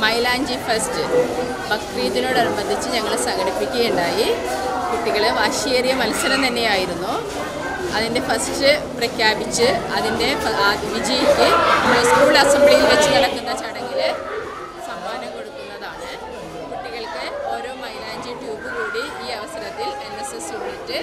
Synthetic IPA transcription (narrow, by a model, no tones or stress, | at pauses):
mɐjlaːɲd͡ʑifɐsʈɨ | bɐkːriːt̪ːino̞ːɽɐɾubɐnd̪ʱit͡ɕːɨɲɐŋːɐɭsɐŋɡɐɽipːikʲːɐɣjuɳɖaːjikuʈːiɣɐɭʋaːʂierijɐmɐlɐsɐɾɐmt̪ɐnːe̞jaːjiɾunːu | ɐðinde̞fɐsʈɨprɐkʰjaːbit͡ɕːɨɐðinde̞ʋid͡ʑɐjikʲːɨɐmoːskuːɭasɐmbɭijilʋet͡ɕːɨkɐɽɐkːunːɐt͡ɕɐɽe̞ŋɡil | sɐmbaːnɐmko̞ɽukːunːɐðaːɳɨ | kuʈːiɣɐɭkɨo̞ːɾo̞ːmɐjlaːɲd͡ʑuʈjuːbɨkuːɽiiːɐʋɐsɐɾɐt̪ːile̞nːesesuritːɨ